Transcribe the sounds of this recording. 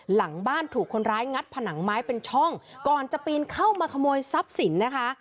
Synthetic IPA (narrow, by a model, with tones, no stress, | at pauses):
la˩˦ŋbaː˥˩nt̪ʰuː˨˩kʰːo˧nɾaː˦˥jŋa˦˥t̪̚pʰa˧na˩˦ŋmaː˦˥jpe˧nt͡ɕʰɔ˥˩ŋkɔː˨˩nt͡ɕa˨˩piː˧nkʰa˥˩wmaː˧kʰa˧moː˧jsa˦˥p̚si˨˩˦nːa˦˥kʰa˦˥